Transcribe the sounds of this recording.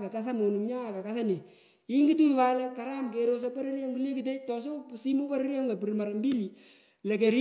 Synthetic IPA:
ka˨ka˦s̬a˦mo˨nu˨ŋɲa˦a˨ka˨ka˦sa˦ne˨ | ɪ˦ŋɡi˦tu˦i˨wa˦lɛ˦ka˨ɾa˦mke˨ɾo˦s̬a˦pa˦ɾe˦ɾja˦ŋku˦le˦kɪ˨te˦tɔ˨s̬o˦si˦mu˦pa˦ɾe˦ɾja˦ŋɡa˨pi˨ɾma˨ɾa˨mbi˦li˨ | lɛ˨kɛ˨ɾ

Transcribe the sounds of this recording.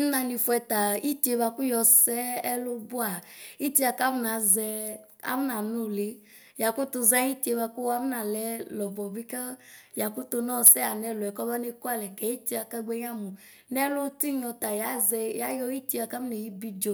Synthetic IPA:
na˧ni˧fu˧˦ɛ˧ta˨i˦ti˨˦e˧ba˧ku˦jɔ˧sɛ˦ɛ˦lʊ˧bʊ˦a˨i˦ti˦a˧ka˦m˦na˨˦zɛ˧ | a̰˨˦m˦na˨nu˦˨le˨˦ | ja˨ku˦to˧za˦i˦ti˦e˧ba˧ku˦a˦m˦na˨lɛ˨˦lɔ˨bɔ˨bi˦ka˦ja˨kʊ˦to˧nɔ˦˨sɛ˦a˨nɛ˧lʊ˨ɛ˨kɔ˦ba˦ne˧ka˦˨lɛ˨kɛ˨˦i˦ti˦a˧ka˦ɡ͡bɛ˧ɲ˦a˦mu˨ | nɛ˦lo˦ti˦ɲ˦ɔ˧ta˨ja˨˦zɛ˧ja˨˦jɔ˧˦i˦ti˦˧a˧ka˦m˦nɛ˨ji˦bi˦d͡ʒo˨

